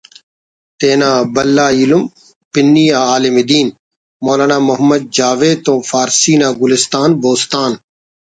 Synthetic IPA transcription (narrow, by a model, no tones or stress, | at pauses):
t̪eːnaːbɐlːaːjilum | pɪnːijaːaːlɪmid̪iːn | moːlaːnaːmʊɦɐmːɐd̪̚d͡ʒaːʋeːt̪õːfaːɾsiːnaːɡʊlɪst̪aːnboːst̪aːn